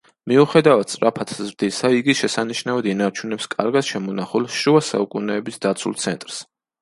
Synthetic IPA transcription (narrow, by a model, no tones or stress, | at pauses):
miuχɛd̪avad̪̚sʼɾʔapʰat̪ʰzɾd̪isaiɡiʃɛsaniʃnavɔd̪inaɾt͡ʃʰunɛpskʼaɾɡad̪̥ʃɛmɔnaχulˠʃuasa̰ukʼunɛːbisd̪at̪sʰṵlˠt̪sʰɛnt̪ʼɾs